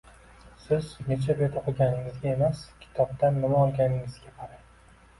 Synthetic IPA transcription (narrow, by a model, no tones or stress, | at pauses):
sɪznet͡ʃʰaɾet̪ʰaqʰoɡʲanɪŋɪzɡʲae̞maskʲʰɪ̥t̪ʰɒb̚t̪ʰanːɪmaɒlˠɡʲanɪŋɪzɡʲapʰaɾa